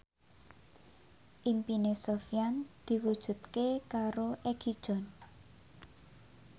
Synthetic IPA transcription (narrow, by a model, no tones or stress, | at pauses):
ʔimpinesofjand̪̥i̤wud̥ʒ̥ṳt̪kekaɾoʔeɡ̥id̥ʒ̥ɔ̤n